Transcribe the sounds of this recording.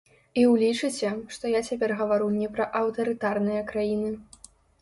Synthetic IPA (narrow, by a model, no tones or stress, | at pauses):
iwlʲit͡ʂɨt͡sʲɛʂt̪ɔjat͡sʲapʲɛrɣɐvaɾunʲɛpɾɐʔɐwt̪ɐɾɨt̪arnɨjɐkɾajinɨ